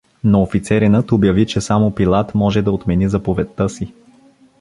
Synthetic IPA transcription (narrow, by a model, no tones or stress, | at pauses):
noːfit̪sɛɾinət̪objɐvit͡ʃɛsamopilˠat̪mɔʒɛd̪ɐot̪mɛnizɐpovɛt̪ːɤsi